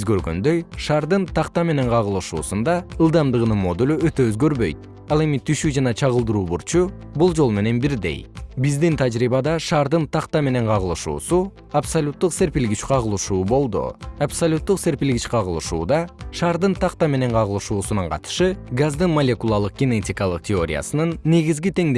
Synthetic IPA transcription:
zɡø̞ɾɡø̞̰nd̪ø̞jʃɑːɾd̪ɯnt̪ʰɑqt̪ɑme̞ne̞ɴqʰɑʁɯlˠɯʃuːsund̪ɑɯlˠd̪ɑmd̪ɯʁɯnɯnmo̞d̪ulʲyø̞t̪ø̞øzɡø̞ɾβø̞̰jt̪̚ | ɑlˠe̞mit̪ʰyʃyd͡ʒɑnɑt͡ʃʰɑʁɯlˠd̪ɯɾuːbuɾt͡ʃu | bulˠd͡ʒo̞lˠme̞ne̞nbiɾd̪e̞̰jbizd̪int̪ʰad͡ʒɾiːβɑd̪ɑʃɑːɾd̪ɯnt̪ʰɑqt̪ɑme̞ne̞ɴqʰɑʁɯlˠɯʃṵːsu | apsɐlʲut̪ːuqse̞ɾpilɡit͡ʃqʰɑʁɯlˠɯʃuːbo̞lˠd̪ṵapsɐlʲut̪ːuqse̞ɾpilɡit͡ʃqɑʁɯlˠɯʃṵːd̪ɑʃɑːɾd̪ɯnt̪ʰɑqt̪ɑme̞ne̞ɴqʰɑʁɯlˠɯʃuːsunuɴqʰɑ̰t̪ɯ̥ʃɯɡazd̪ɯnmolʲe̞kulˠɑlˠɯq̚ɡ̥ʲinetʲijkɑlˠɯq̚t̪ʲʰeo̞ɾʲɪja̰sɯnɯnːe̞ɡizɡit̪e̞ŋd̪

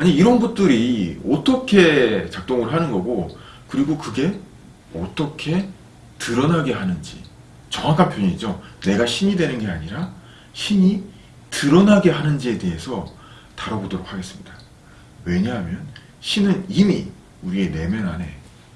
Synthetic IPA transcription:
aɲiːɾʌnbut͈ɯɾiʌt͈ʌkʰe̞t͡ɕak̚t͈oŋɯɭɦanɯnɡʌɡo | kɯɾiɡokɯɡe̞ | ʌ̰t͈ʌkʰe̞ | tɯɾʌnaɡe̞ɦanɯnd͡ʑḭ | t͡ɕʌŋɦakʰanpʰjoɲid͡ʑone̞ɡaɕʰiɲidwe̞nɯnɡe̞aɲiɾa | ɕʰiɲi | tɯɾʌnaɡe̞ɦanɯnd͡ʑie̞te̞ɦe̞sʰʌ | taɾʌbodoɾok̚haɡe̞s͈ɯmɲida | we̞ɲaɦmjʌn | ɕʰinɯnimḭ | uɾie̞ne̞mjʌnane̞̰

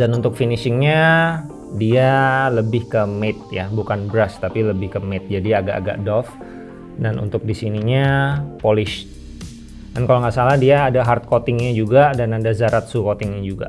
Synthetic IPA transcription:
danunt̪ʊk̚finisɪŋɲa | dialəbɪhkəmet̪̚jabukanbɾast̪apiləbɪhkəmɪt̪̚d͡ʒadiaɡa̰ʔa̰ɡa̰ʔdɔf | danṵnt̪ʊk̚disiniɲapolɪʃ | dankaloŋɡaʔsalahdiaːdaɦart̪̚kot̪ɪŋɲad͡ʒuɡadanadazaɾat̪̚sukot̪ɪŋɲad͡ʒuɡa̰

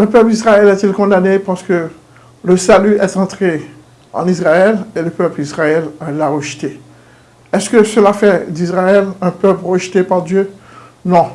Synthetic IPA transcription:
ləpœplisʁaɛlɛt̪ilkɔ̃d̪anepaʁsə̥kə | ləsalyɛt̪ɑ̃t̪χe | ɑ̰̃nisʁaɛleləpœplisʁaɛllːaʁəʒt̪e | ɛskəsəlafɛd̪isʁaɛlɛ̃pœplʁəʒt̪epaʁd̪jø | nɔ̃

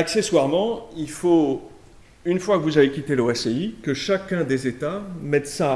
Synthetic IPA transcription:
akseswaʁmɑ̃ilfo | ynfwakəvuzavekʲit̪eloɛseikəʃakʲɛ̃d̪ezet̪amɛt̪sa

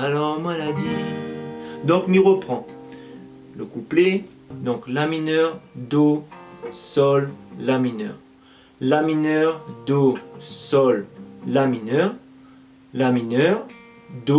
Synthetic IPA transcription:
alɔʁmalad̪i | d̪ɔ̃kniʁəpχɑ̃ | ləkuple | d̪ɔ̃klaminœʁd̪o | sɔlːaminœ̰ːʁ | laminœʁd̪osɔlːaminœʁ | laminœʁ | d̪o

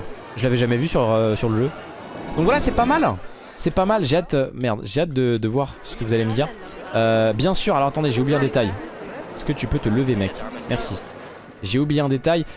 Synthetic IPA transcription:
ʒəlavɛʒamɛvysyʁøsyʁləʒø | d̪ɔ̃kvwalasɛpamal | sɛpamalʒeat̪ømɛʁd̪ʒeat̪̚d̪əd̪əvwaʁsə̥kəvuzaleməd̪iːʁ | øbjɛ̃syʁalɔʁat̪ɑ̃d̪eʒeublijeɛ̃d̪et̪ajɛskət̪ypøt̪ələvemɛkʲmɛʁsi | ʒeublijeɛ̃d̪et̪aj

